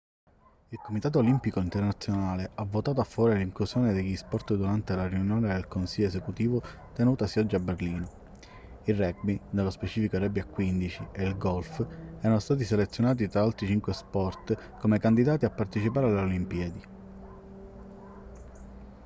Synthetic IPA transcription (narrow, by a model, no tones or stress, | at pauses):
ilkomit̪aːt̪oːlimpikoint̪ernat̪sːjonaːleavːot̪aːt̪̬afːaɔːɾeliŋklusjoːned̪eʎːispɔrt̪d̪uɾant̪elariunjoːned̪elkonsiʎːjːoes̬ekut̪iːvo | t̪enuːt̪asiɔd͡ʒːiabːerliːno | irɛɡ̚binelːospet͡ʃiːfikoɾɛbːjakːwind̪it͡ʃieilɡɔlfɛːɾanost̪aːt̪̬iselet̪sːjonaːt̪it̪ɾaalt̪ɾit͡ʃiŋkwespɔrt̪ | komekand̪id̪aːt̪iapːart̪et͡ʃipaːɾealːolimpiːd̪i